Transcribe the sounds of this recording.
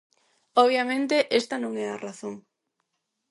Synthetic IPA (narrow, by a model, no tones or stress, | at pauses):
ɔβ̞jamẽnt̪eʔest̪ɐnõŋɛaraθoŋ